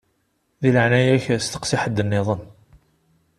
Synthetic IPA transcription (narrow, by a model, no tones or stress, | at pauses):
ðiləʕnæjæçæst̪ə̥qsɪħəd̪ːənːɪðˤən